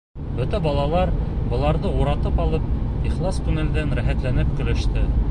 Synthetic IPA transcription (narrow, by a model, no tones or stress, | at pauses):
bɵt̪æbɑlˠɑlˠɑɾbɤ̆lˠɑɾðɤuɾɑt̪ɤpɑlˠɤp̚iχlˠɑst̪unɘ̆ld̪ænɾæɦæt̪lænɘpkɵ̆lɘ̆ʃt̪ɘ